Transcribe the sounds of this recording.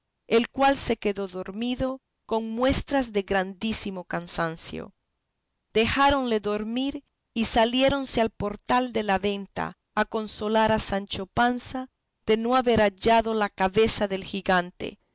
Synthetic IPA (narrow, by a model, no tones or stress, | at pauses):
elkwalse̞ke̞ðo̞ðo̞ɾmiðo̞ | ko̞ŋmwe̞st̪ɾazðe̞ɣɾand̪isimo̞kansansjo̰ | d̪̥e̞xaɾo̞nle̞ðo̞ɾmiɾ | isalje̞ɾo̞nsealpo̞ɾt̪ald̪e̞laβe̞nt̪a̰ː | ko̞nso̞laɾasant͡ʃo̞pansa | ð̥e̞no̞aβe̞ɾaʝaðo̞lakaβe̞saðe̞lxiɣant̪ḛ